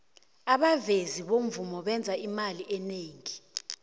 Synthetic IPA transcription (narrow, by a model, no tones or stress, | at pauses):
aɓaveziɓom̩vumɔɓɛnd͡zʱaimaliʔɛneːŋi